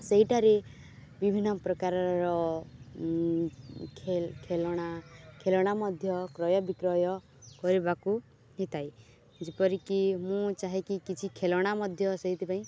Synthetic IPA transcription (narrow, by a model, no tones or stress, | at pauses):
seɦiʈaɾe | bibʱinːɔpɾɔkaɾɔɾɔ | kʰekʰelɔɽ̃akʰelɔɽ̃amɔd̪ʱjɔkɾɔjɔbikɾɔjɔ | kɔɾibaku | ɦet̪ʰaj | d͡ʒepɔɾikimũt͡ʃaɦekikit͡ʃʰikʰelɔɽ̃amɔd̪ʱjɔseɦit̪ʰipaĩ